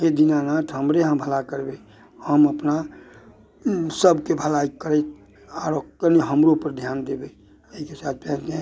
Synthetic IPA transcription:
ɦed̪inanaːt̪ʰɦəmɾeɦə̃bʱəlakəɾbe | həməpna | səbkebʱəlaikəɾɛt̪ | aɾokkəniɦəmɾopəɾd̪ʱjaːnd̪ebe | əikesaːt̪̚ʰpɛ̃ːẽ

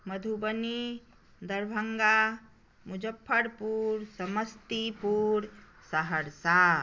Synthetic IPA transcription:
məd̪ʱubəni | d̪əɾbʱəŋɡa | mud͡ʒəpʰːəɾpuːɾsəməst̪ipuːɾ | səɦəɾsa

